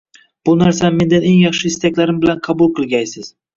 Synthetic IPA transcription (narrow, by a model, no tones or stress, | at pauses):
b̥ʊnaɾsame̞nd̪ane̞ŋjɑχʃɪːst̪ʰakʲlaɾɪmbɪlanqʰɑbʊlˠqʰɨlˠɡʲajsɪz̥